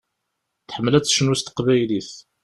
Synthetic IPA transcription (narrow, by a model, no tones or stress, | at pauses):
θħəmːlæt͡sːʃənust̪qvæjliθ